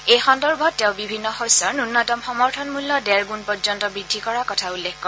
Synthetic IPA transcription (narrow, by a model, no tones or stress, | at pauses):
ejxɔndɔɹbʱɔtːɛʊ̃bibʱinːɔxojsɔɹnunːɔtɔmxɔmɔɹtʰɔnmulːɔdɛɹɡunpɔɹzɔntɔbɹidʱːikɔɹakɔtʰaulːekkɔɹ